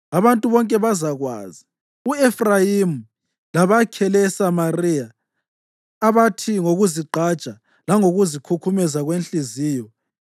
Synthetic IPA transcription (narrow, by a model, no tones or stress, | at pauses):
aβantʼuβɔŋkʼɛβazaɣwa̰zi | uefrajimu | laβakʰɛlɛsamarija | βatʰiŋoɣuziǃʱat͡ʃʼa | laŋoɣuzikʰukʰumɛzaɣwenɬʼiziːjɔ